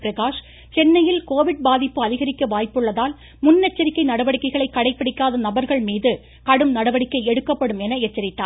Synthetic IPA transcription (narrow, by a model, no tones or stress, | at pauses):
pɾɐkaːʂ | t͡ʃɛnːɐjɪlkoːʋɪɽ̚baːðɪpːɯɐðɪɣɐɾɪkːɐʋaːjpːɯɭːɐðaːl | mʊnːɛt͡ʃːɐɾɪkːɐɪnɐɽɐʋɐɽɪkːɐɪɣɐɭɐɪkːɐɽɐɪpːɐɽɪkːaːðɐnɐbɐɾɣɐɭmiːðɯ | kɐɽɯmnɐɽɐʋɐɽɪkːɐɪɛɽɯkːɐpːɐɽɯmɛnɐɛt͡ʃːɐɾɪʈ̪ːaː